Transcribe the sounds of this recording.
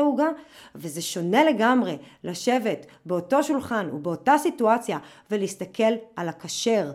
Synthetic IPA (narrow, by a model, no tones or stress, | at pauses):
uɡaveze̞ʃo̞ne̞le̞ɡamʁe̞lʔaʃe̞ve̞tbeo̞to̞ʃulχanṵbeo̞tasituat͡sja | veleistakʰe̞lalakaʃe̞ʁ